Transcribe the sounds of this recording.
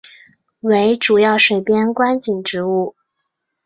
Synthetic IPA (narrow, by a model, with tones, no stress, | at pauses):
we˧˥ɪʈ͡ʂu˨˩jɑ˥˩ʊʂwe˨˩ɪpjɛ˥nkwa˥nt͡ɕi˨˩ŋʈ͡ʂɻ̩˧˥u˥˩